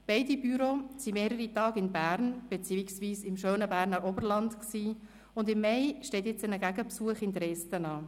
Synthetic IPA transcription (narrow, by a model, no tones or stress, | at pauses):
b̥ɛɪdibyɾosimeːɾəɾitɑːɡɪnbæːɾnb̥et͡siːiksviːsɪmʃøːnəbæːɾnəɾɔbəɾlɑntksiː | ʊndɪmːɛɪʃtɛːtjɛt͡sənəɡæɡəpsuəχɪntəɾɛstənɑː